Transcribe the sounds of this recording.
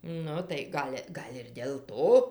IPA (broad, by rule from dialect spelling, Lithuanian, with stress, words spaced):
ˈnʊ tɐɪ ˈɡɐlʲ ˈɡɐlʲ ɪr dʲeːlˠ ˈtoː